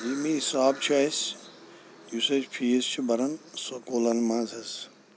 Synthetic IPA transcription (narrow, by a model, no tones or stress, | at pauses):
ʋimĩisaːbt͡ʃʰɐjs | jusɐt͡ʃpʰiist͡ʃʰibɐɾɐnsɐkoːlɐnmãːzɐz